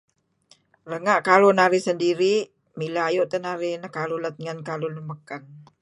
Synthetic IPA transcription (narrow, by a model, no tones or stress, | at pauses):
rəŋaʔkalonaɾɪsəndiɾi | milajoʔt̪ənaɾɪnəkalulət̪̚ŋənkaloləməkan